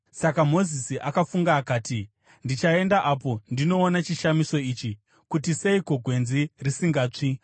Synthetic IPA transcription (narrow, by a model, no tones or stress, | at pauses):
sakam̤o̞zisiʔakafuŋɡaːkaːti | ndit͡ʃae̞ndaʔap̬o̞ndino̞ːnat͡ʃiʃamiso̞it͡ʃi | kutiseiko̞ɡʱwe̞nzirisiŋɡaːt͡ʂi